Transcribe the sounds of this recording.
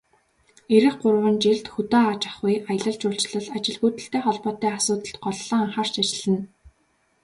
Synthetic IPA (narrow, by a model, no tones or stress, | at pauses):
eɾɘ̆χɢʊrwə̆nt͡ɕiɮt̪xut̪aːat͡ɕḁχʊjaj̆ɮə̆ɮt͡ɕʊːɬt͡ɕɮə̆ɮat͡ɕɪ̆ɮɣuːt̪ɘ̆ɬt̪eːχɔɮpɔːt̪iːasʊːt̪ə̆ɬt̪̚ɢɔɮːɞ̆ŋaɴχaːrt͡ɕat͡ɕɪ̆ɮ̥ɘ̆n